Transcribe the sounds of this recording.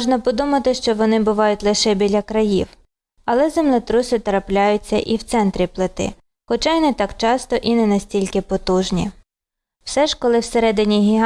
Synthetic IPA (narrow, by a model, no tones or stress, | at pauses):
ʒnɐpɔd̪umɐt̪ɪʃt͡ʃɔʋɔnɪbʊʋɑjʊtʲlˠɪʃɛbʲilʲɐkɾɐjiw | ɐlˠɛzemlˠɪt̪ɾʊsɪt̪ɾɐplʲajʊt͡sʲːɐʔiwt̪sɛnt̪ɾʲiplˠɪt̪ɪ̰ | xɔt͡ʃɑjnɛt̪ɑkt͡ʃɑst̪ɔʔinɛnɐsʲtʲilʲkɪpɔt̪uʒnʲḭ | wsɛʒkɔlˠɪwseɾɛd̪ɪnʲiɦʲiɦ